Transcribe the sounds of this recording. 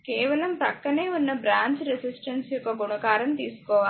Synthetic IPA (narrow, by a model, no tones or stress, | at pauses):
keːʋɐlɐmt̪ɐkːɐne̞ːunːɐbɾaːɲt͡ʃɾesisʈɐnsjɔkɐɡunɐɡaːɾɐmt̪iːsu̥kɔːʋa